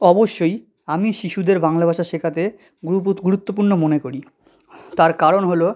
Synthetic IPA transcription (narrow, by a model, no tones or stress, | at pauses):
ɔboʃːoj | amiʃiʃud̪eɾbaŋlabʱaʃaʃekʰat̪e | ɡɡuɾut̪ːop̬uɾnomonekoɾi | t̪aɾkaɾonɦolo